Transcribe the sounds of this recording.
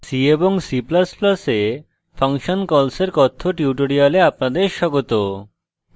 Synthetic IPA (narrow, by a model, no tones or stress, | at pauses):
sieboŋsiplasplase | pʰaŋʃonkɔlseɾkɔt̪ʰːoʈiuʈoɾialeapnad̪eɾʃɔɡot̪o